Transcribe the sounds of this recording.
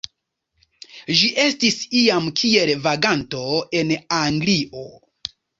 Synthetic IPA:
ʒiʔe̞stisiamkʰie̞lvaɡanto̞e̞naŋɡliʔo̞

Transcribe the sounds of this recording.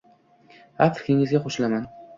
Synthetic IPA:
hafɪ̥kʲɪŋɪzɡʲaχoʃlaman

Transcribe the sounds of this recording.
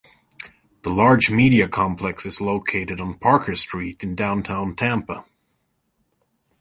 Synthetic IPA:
ðəlɑɹd͡ʒmiɾiɨkʰɑ̃mpʰl̥ɛksɨzloʊkʰeɪɾɨɾn̩pʰɑɹkʰə˞stɹ̥iɾɨ̃n̩dãʊ̃ntʰãʊ̃ntʰæ̃mpə

